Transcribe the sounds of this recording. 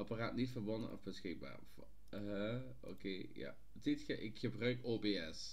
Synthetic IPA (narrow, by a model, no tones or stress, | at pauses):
ɑparaːtnitfərʋɔnə̰ʔɔ̰fbəsxɪɡ̚ba̰ːrv | ɦə | o̰keːja̰ | titxəʔɪkxəbrœɥkoːbeːɛs